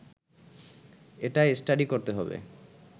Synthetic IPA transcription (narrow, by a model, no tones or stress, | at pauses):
eʈaesʈaɖikoɾt̪eɦɔbḛ